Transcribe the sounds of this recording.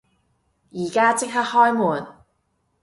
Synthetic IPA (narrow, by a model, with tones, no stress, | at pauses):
jiː˨˩kaː˥t͡sɪ˥k̚hɐ˥t̚hɔː˥jmuː˨˩n